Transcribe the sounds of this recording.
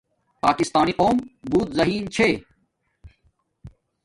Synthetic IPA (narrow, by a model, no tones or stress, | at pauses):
paːkɪst̪aːniqoːmbuːt̪zɐɦiːnt͡ɕʰeː